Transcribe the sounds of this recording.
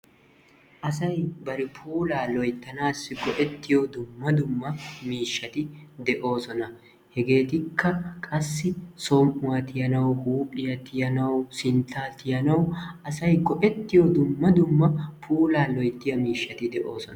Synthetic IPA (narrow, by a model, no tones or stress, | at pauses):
ʔɐsɐjbɐɾɛpʰuːlaːlɔjt̪ːɐnaːsːɪɡɔʔɛt̪ːɪjod̪ʊmːɐd̪ʊmːɐmiːʃːɐt̪ɪd̪ɛʔo̞ːsɔnɐ | hɛɡe̞ːt̪ɪkːɐkʼɐsːɪsɔmʔʊwɐt̪ɪjɐnɐwhuːpʼɪjɐt̪ɪjɐnɐwsɪnt̪ʰːaːt̪ɪjɐnɐwɐsɐjɡɔʔɛt̪ːɪjod̪ʊmːɐd̪ʊmːɐpʰuːlaːlɔjt̪ːɪjɐmiːʃːɐt̪ɪd̪ɛʔo̞ːsɔnɐ